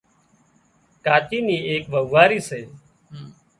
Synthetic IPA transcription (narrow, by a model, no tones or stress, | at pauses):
kaːt͡ʃiːniːeːkʋəʋaːɾiːseː